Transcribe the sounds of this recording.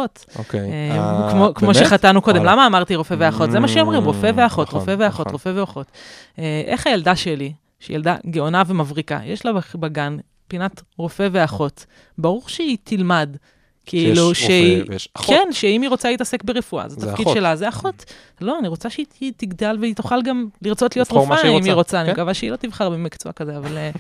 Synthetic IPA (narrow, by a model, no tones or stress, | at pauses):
ot̪ | okemkmokmoʃeχat̪anuko̞d̪emlamaːmaʁt̪iʁofeve̞aχo̞t̪zemaʃeomʁimʁo̞fe̞veaχo̞tʁofeveaχo̞t̪ʁofe̞veaχo̞t̪ | eʔḛχajeldaʃeli | ʃḛjeld̪a̰ɡeonavemavʁika̰jeʃlababaɡan | pinatʁo̞fe̞ve̞aχo̞t̪ | baʁuʁʃeit̪ʰilmad | kʰiiluʃeikʰenʃeimiʁo̞t͡saleit̪ase̞kbeʁefua̰zeat̪afkid̪ʃelazeaχo̞t̪ | lo̞aniʁo̞t͡saʃeiitiɡd̪alveit̪oχalɡamliʁt͡so̞t̪lijo̞t̪ʁofaimiʁo̞t͡saːnikavaʃeilo̞t̪ivχaʁbemikt͡soakazeavale